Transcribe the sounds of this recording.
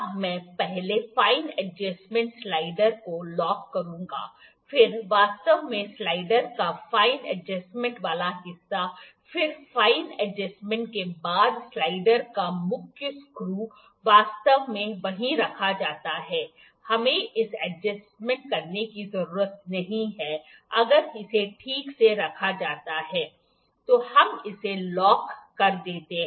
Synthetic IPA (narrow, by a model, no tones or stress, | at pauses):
mɛ̃ːpɛɦlefaːɪnɛd͡ʒɛsmɛ̃ɳʈslaːɪɖəɾkolɔːkːɐɾũːɡa̰ː | fɪɾʋaːst̪əʋmẽslaːɪɖəɾkafaːɪnɛ̰d͡ʒəsmɛ̃ɳʈʋaːlaɦɪsːa | fɪɾfaːɪnɛd͡ʒɛsmɛ̃ɳʈ̚kebaːd̪slaːɪɖəɾkamʊkʰjʊskɾuː | ʋaːst̪əʋmẽʋɐɦĩɾɐkʰad͡ʒaːt̪aɦɛː | hɐmẽʔɪsɛd͡ʒəsmɛ̃ɳʈ̚kɐɾnekizɐɾuːɾət̪̚nɐɦĩɦɛː | ɐɡəɾɪseʈʰiːkseɾɐkʰad͡ʒaːt̪aɦɛː | t̪oːhɐmɪselɔːkːɐɾd̪eːt̪eɦɛ̃